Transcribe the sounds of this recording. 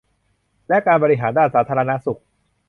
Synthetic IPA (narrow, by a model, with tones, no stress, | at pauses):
lɛ˦˥kaː˧nbɔː˧ɾi˦˥ɦaː˩˦ndaː˥˩nsaː˩˦t̪ʰaː˧ɾa˧na˦˥su˨˩k̚